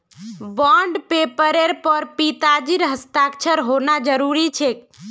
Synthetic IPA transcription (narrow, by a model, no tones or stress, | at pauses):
bɔɳɖpepəɾeɾpəɾpit̪ad͡ʒiɾɦəst̪akt͡ʃʰəɾɦonad͡ʒəɾuɾit͡ʃʰek